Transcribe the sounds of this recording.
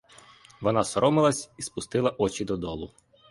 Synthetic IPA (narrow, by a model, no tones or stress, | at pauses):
ʋɔnɑsɔɾɔmɪlˠɐsʲispʊst̪ɪlˠɐʔɔt͡ʃid̪ɔd̪ɔlˠʊ